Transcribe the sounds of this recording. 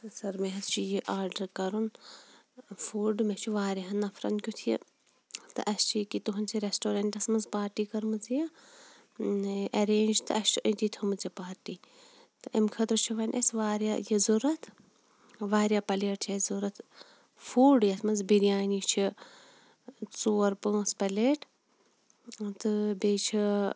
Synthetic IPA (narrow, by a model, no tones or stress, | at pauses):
sɐɾmeɦɐt̪ʰt͡ʃʰijiʔaːɾɖɐɾkɐɾun | fuːɖmet͡ʃʰiʋaːɾʲiɦɐnːɐfʰɾɐ̰nkʲut̪ʰiḭ | t̪ɨ̰ʔɐst͡ʃʰikit̪uɦunt͡sʰiɾesʈoːɾɐɳʈɐsmɐnzpaːɾʈiːkɐɾmɨt͡sija | ɐɾeːnd͡ʒt̪ɨ̰ɐst͡ʃʰiʔət̪it̪ʰumɨt͡sipaːɾʈiː | t̪ɨʔɐmkʰɐt̪ɾɨt͡ʃʰiʋɐnʲʔɐ̰sʋaːɾja̰jɐzuɾɐt̪ʰ | ʋaːɾʲjaːpɐleːʈʰt͡ʃʰɐzuɾɐt̪ʰ | fuːɖjɐsmɐnzbiɾijaːnit͡ʃʰi | t͡suːɐɾpɨːspɐleːʈ | t̪ɨbeːt͡ʃʰi